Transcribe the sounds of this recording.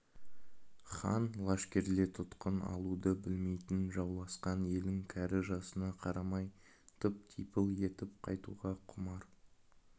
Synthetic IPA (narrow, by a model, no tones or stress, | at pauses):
χɑ̰nlˠɑʃkʲe̞ɾle̞t̪ʰʊt̪qənɑ̰lˠud̪əbɪlme̞jt̪ɪnʒɑwlˠɑsqɑne̞lɪŋkʲʰæɾɪʒɑsənɑqʰɑɾɑmɑj | t̪ʰʊp̚t̪ʰijpəlˠje̞t̪ɪp̚qʰɑjt̪ṵʁɑqʰʊmɑɾ